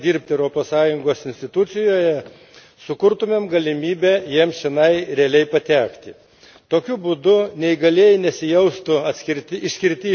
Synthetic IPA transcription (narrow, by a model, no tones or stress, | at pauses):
d̪ʲiːɾʲpʲt̪ʲɪɛʊɾoːpoːssɑːjʊŋɡoːsɪnsʲt̪ʲɪt̪ʊt̪sʲɪjoːjɛ | sʊkʊɾt̪ʊmʲeːmɡɐlʲɪmʲiːbʲɛjiɛmsʃʲɪnɐɪɾʲɛɐlʲɛɪpɐt̪ʲæːkt̪ʲɪ | t̪oːkʲʊbud̪ʊnʲɛɪɡɐlʲeːjɪnʲɛsʲɪjɛʊst̪ʊɐt̪sʲkʲɪɾʲt̪ʲɪɪʃʲsʲkʲɪɾʲt̪ʲɪː